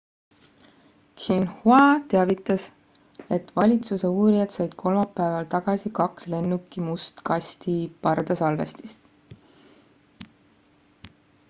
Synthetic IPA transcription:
kɕinhuɑt̪eɑvit̪ːˑɑs | e̞t̪vɑlʲit̪suse̞uːɾijɑd̪̥sɑjd̪̥kʰo̞lmɑpːæevɑlt̪ɑɡ̥ɑsikɑksle̞nːukːˑimust̪kɑsʲt̪ipɑrd̪ɑsɑlvḛst̪i̥st̪

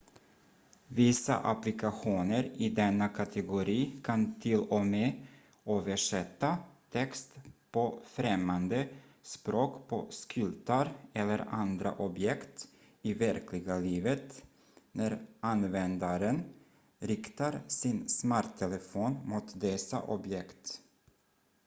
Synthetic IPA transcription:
vɪsa̰ʔaplɪkaɧuːnəɾɪd̪ɛnːakʰat̪ʰɛɡʊɾiːkʰant̪ʰɪlɔmeː | øːvəʂɛt̪ːat̪ʰɛkst̪pʰɔfɾɛmːand̪ə | spɾoːkpʰɔskʰʏlt̪aɾɛlːəɾa̰nd̪ɾa̰ʔɔbjɛkt̪ | ɪvæɾkʰlɪɡaliːvət̪ | næɾʔanvɛnd̪aɾən | ɾɪkt̪aɾsɪnsmaɾt̪ʰɛləfoːnmut̪d̪ɛsa̰ʔɔbjɛkt̪

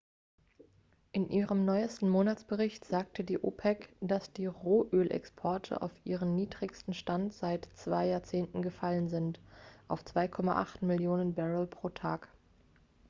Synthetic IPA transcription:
ʔɪnʔiːʁəmnɔʏəstn̩moːnat͡sb̥əʁɪçtz̥aːk̚tʰədiːʔo̰ːpʰɛkd̥asd̥iːʁoːʔøːlʔɛ̰kspʰɔɐtʰə̰ʔa̰ʊfʔiːʁənniːdʁɪçstn̩ʃtantz̥aɪtt͡sv̥aɪjaːɐt͡seːntn̩ɡəfalənzɪntʔaʊft͡sv̥aɪkʰɔma̰ʔa̰χtmɪljoːnənbɛʁəlpʁ̥oːtʰaːk

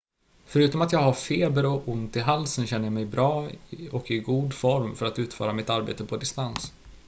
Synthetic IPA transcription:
fœɾʉ̟ːt̪ɔmat̪jɑːɡhaɾfeːbəɾɔʊnt̪ɪɦalsənɕɛnːəɾjamɛjbɾɑːɔkɪɡuːd̪fɔɾmfœɾat̪ʉ̟ːt̪fœ̰ːɾamɪt̪aɾbḛːt̪əpʰɔd̪ɪst̪ans

